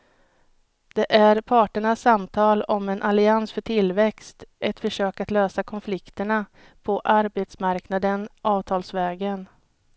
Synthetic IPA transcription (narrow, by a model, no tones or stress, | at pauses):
d̪̥ɛʔæɾpʰɑːʈəɳasːamt̪ʰɑːlɔmɛnʔalɪansfœʈʰɪlvɛkst̪ʔɛt̪fœʂøːkat̪løːsakʰɔnflɪkt̪əɳa | pʰɔʔaɾbet̪smaɾknad̪ənʔɑːvt̪ʰɑːlsvɛːɡən